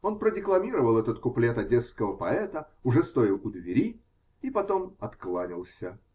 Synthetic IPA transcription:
o̞npɾədʲɪklˠɐmʲiɾəvəlˠɛt̪ət̪kʊplʲet̪ɐdʲet̪skəvəpɐɛt̪ə | ʊʐɛst̪o̞ɪlˠʊd̪vʲɪɾʲi | ipɐt̪o̞mɐt̪klˠanʲɪlˠsʲə

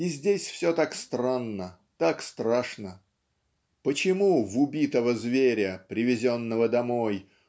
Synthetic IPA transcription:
izʲdʲesʲfsʲot̪akst̪ranːə | t̪akst̪ɾaʂnə | pət͡ɕɪmuvʊbʲit̪əvəzvʲeɾʲəpɾʲɪvʲɪzʲo̞nːəvəd̪ɐmo̞j

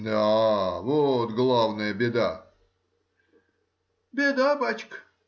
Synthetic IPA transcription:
d̪avot̪ɡlˠavnəjəbʲed̪a | bʲed̪abat͡ɕk

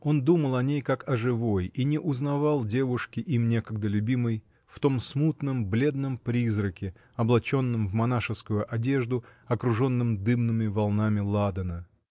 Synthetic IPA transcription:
o̞nd̪uməlˠɐnʲejkakɐʐɨvo̞jinʲɪʔʊznɐvɑlˠdʲe̞vʊʂkʲɪʔimnʲe̞kəɡ̚d̪əlʲʉbʲimɨj | ft̪o̞msmut̪nəmblʲe̞d̪̚nəmpɾʲizɾəkʲɪ | ɐblˠɐt͡ɕo̞nːɨmvmɐnaʂɨskʊjʊʔɐdʲe̞ʐd̪ʊɐkɾʊʐo̞nːɨmd̪ɨmnɨmʲɪvɐlˠnamʲɪlˠad̪ənə

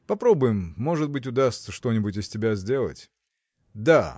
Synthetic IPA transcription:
pɐpɾo̞bʊjɪmːo̞ʐɨt̪̚bɨtʲʊd̪ast̪səʂt̪o̞nʲɪbʊtʲɪsʲtʲɪbʲazʲdʲe̞lˠə̰tʲ | d̪a

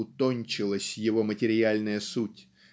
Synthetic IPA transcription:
ʊt̪onʲt͡ɕɪlˠəsʲjɪvo̞mətʲɪɾʲɪalʲnəjəsutʲ

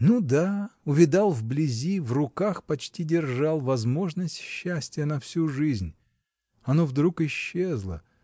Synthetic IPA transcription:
nud̪aʊvʲɪd̪alˠvblʲɪzʲivrʊkaxpɐt͡ɕtʲidʲɪrʐɑlˠvɐzmo̞ʐnəsʲtʲɕːæsʲtʲɪjənɐfsʲuʐɨzʲnʲ | ɐnovd̪ɾukɪɕːezlˠə

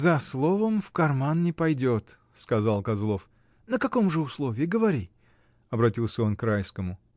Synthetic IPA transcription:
zɐslˠovəmfkɐrmannʲɪpɐjdʲot̪ | skɐzalˠkɐzlˠo̞f | nəkɐko̞mʐɨʊslˠovʲɪːɡəvɐɾʲi | ɐbɾɐtʲilˠsʲəo̞nkrajskəmʊ

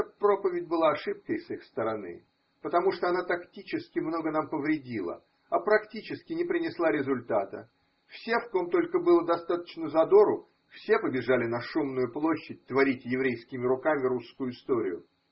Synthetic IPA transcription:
pɾo̞pəvʲɪtʲbɨlˠaːʂɨp̚kəjsɨxst̪əɾɐnɨ̰ | pət̪ɐmuʂt̪oɐnat̪ɐktʲit͡ɕɪskʲɪmno̞ɡənampəvɾʲɪdʲilˠə̰ | ɐpɾɐktʲit͡ɕɪskʲɪnʲɪpɾʲɪnʲɪslˠaɾʲɪzʊlʲt̪at̪ə̰ | fsʲe̞fko̞mt̪o̞lʲkəbɨlˠəd̪ɐst̪at̪ə̥t͡ɕnəzɐd̪o̞ɾʊ | fsʲe̞pəbʲɪʐalʲɪnɐʂumnʊjʊplˠo̞ɕːɪt̚ʲt̪vɐɾʲitʲjɪvɾʲejskʲɪmʲɪɾʊkamʲɪɾuskʊjʊɪst̪o̞ɾʲɪ̰jʊ̰

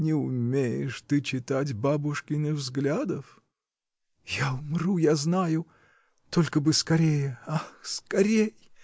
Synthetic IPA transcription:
nʲɪʊmʲejɪ̰ʂt̪ɨt͡ɕɪt̪atʲbabʊʂkʲɪnəvzɡlʲad̪əf | jaʊmrujaznajʊ | t̪o̞lʲkəbɨskɐɾʲejəaskɐɾʲej

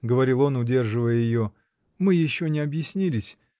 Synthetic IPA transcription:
ɡəvɐɾʲilˠo̞nʊdʲerʐɨvəjəjɪjo | mɨjɪɕːonʲɪɐbjɪsʲnʲilʲɪsʲ

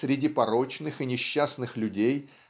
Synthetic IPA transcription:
ɾʲɪdʲipɐɾo̞t͡ɕnɨxɨnʲɪɕːasnɨxlʲʊdʲej

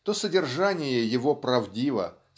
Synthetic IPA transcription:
t̪osədʲɪrʐanʲɪjəjɪvo̞pɾɐvdʲivə̰

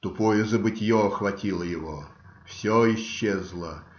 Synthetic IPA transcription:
t̪ʊpojəzəbɨtʲɪjoɐxvɐtʲilˠəjɪvo | fsʲɔɪɕːezlˠə

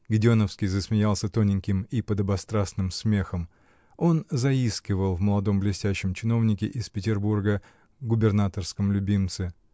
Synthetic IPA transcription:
ɡʲɪdʲɪonəfskʲɪjzəsmʲɪjalˠsʲət̪o̞nʲɪŋʲkʲɪmipəd̪əbɐst̪ɾasnɨmsmʲe̞xəm | o̞nzɐiskʲɪvəlˠvməlˠɐd̪o̞mblʲɪsʲtʲæɕːɪmt͡ɕɪno̞vnʲɪkʲɪʔɪspʲɪtʲɪrburɡə | ɡʊbʲɪrnat̪ərskəmlʲʊbʲimt̪sɨ

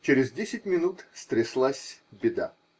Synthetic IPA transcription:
t͡ɕɪɾʲɪzdʲesʲɪt̚ʲmʲɪnut̪st̪ɾʲɪslˠasʲbʲɪd̪a̰

